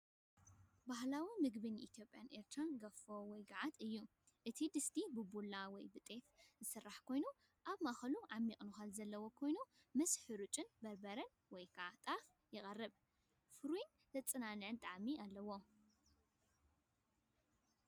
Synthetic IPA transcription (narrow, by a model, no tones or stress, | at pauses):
bahlawimɨɡbɨnʔit̪ʰjo̞pʼjanʔeɾt̪ʰɾanɡɐfowɔjɡaʕat̪ɨjːu | ʔɨt̪ʰid̪ɨsd̪ibɨbulːawɔjbɨt̪ʼe̞fzɨsɨrːaħkʰo̞jnu | ʔaβmaxɐluʕamːikʼnuxalzɐlːɐwo̞kʰo̞jnu | mɐsħɨɾut͡ʃʼɨnbɐɾbɐɾɐn | wɔjkʰat̪ʼaf | jɪχʼɐrːɨβ | fɨɾuin | t̪ʰɐt͡sʼːɨnanɨʕɨnt̪ʼaʕmialːɐwo̞